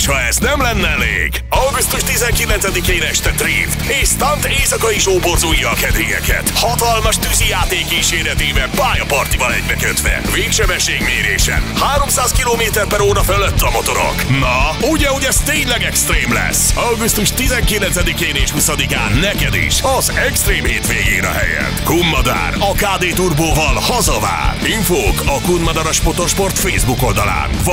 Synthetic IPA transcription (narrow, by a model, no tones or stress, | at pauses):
ʃhɒɛznɛmlɛnːɛɛlḛːɡ | ɒwɡust̪uʃt̪izɛŋkilɛnsɛd̪ikeːnɛʃt̪ɛt̪rḭːf | eːʃst̪ɒnt̪eːsɒkɒiʒoːporzujːɒːkɛd̪ɾijɛ̰kɛ̰t̪hɒt̪ɒlmɒʃt̪yzijaːt̪eːkiːʃeːɾɛt̪eːvɛlpaːjɒpɒrt̪ivɒlɛɟbɛkøt̪ʋɛ̰veːkʃɛbɛʃːeːɡmeːɾeːʃɛ̰nhaːɾo̞msaːskiloːmeːt̪ɛrpɛɾoːɾɒføløt̪ːɒmo̞t̪o̞ɾo̰knɒuɟɛoɟɛzt̪eːɲlɛɡɛkst̪reːmlɛ̰sɒɡust̪uʃt̪izɛŋkilɛnsɛd̪ikeːneːʃhusɒd̪ika̰ːnːɛkɛd̪ḭʃɒzɛkst̪reːmheːt̪ʋeːɡiːɾɒ̰ɦɛ̰jɛ̰t̪ːkunːɒd̪a̰ːrɒkaːd̪eːt̪urboːvɒlhɒzɒva̰ːriɱfoːkɒkunmɒd̪ɒɾɒʃpot̪o̞ʃpo̞rt̪feːzbuko̞ld̪ɒla̰ːnv